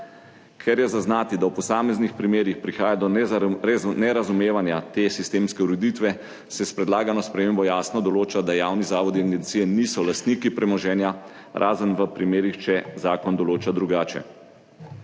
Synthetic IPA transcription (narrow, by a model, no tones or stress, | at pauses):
kʰɛɾjɛzaznaːt̪id̪awpɔsaːmɛznixpɾimeːɾixpɾixaːjad̪ɔ | nɛɾazumeːʋanjat̪esist̪eːmskɛuɾɛd̪iːt̪ʋɛ | sɛspɾɛd̪laːɡanɔspɾɛmeːmbɔjaːsnɔd̪ɔloːt͡ʃad̪ajaːwnizaːʋɔd̪iaŋɡɛnt̪sijɛniːsɔlast̪niːkipɾɛmɔʒɛːnja | ɾʔaːzənʋəpɾimeːɾixt͡ʃɛzaːkɔnd̪ɔloːt͡ʃad̪ɾuɡaːt͡ʃɛ̰